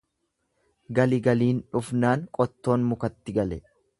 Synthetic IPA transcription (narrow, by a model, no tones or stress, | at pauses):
ɡɐlɪɡɐliːnᶑʊfnaːŋkʼɔt̪ːo̞ːnmʊkɐt̪ːɪɡɐlɛ